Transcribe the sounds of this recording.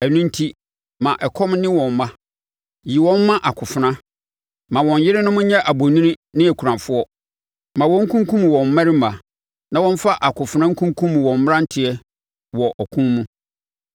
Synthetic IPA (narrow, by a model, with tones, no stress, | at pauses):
ɛ˨nũ˦n̩˦tʰi˦ | mã˨ʔɛ˨kʰɔ˦mnɪ̃˦wɔ̃˨m˦mã˦ | ji˨wɔ̃˦mː˦ã˦ʔa˨kʰʊ˨fʊ˨nã˦ | mã˨wɔ̃˨ɲ˨jɪ˦ɾɪ˦nʊ̃˦mʊ̃˦ɲɛ̃˦ʔa˨bo˨nĩ˦nĩ˦nɪ̃˦æ˨kʰu˨ɾã˨fʊ˦ɔ˦ | mã˨wɔ̃˦ŋ̩˦kʰũ˦ŋ˦kũ˦m˨wɔ̃˨m̩˨mã˦ɾɪ˦mã˨ | nã˨wɔ̃˦n˦fa˦ʔa˨kʊ˨fʊ˨nã˦ŋ̩˦kʰũ˦ŋ˦kʰũ˦m˨wɔ̃˨m̩˦m˦ɾã˦n̩˦tʰɪ˨ɛ˦ | wɔ˨ʔɔ˨kʰũ˦mũ˦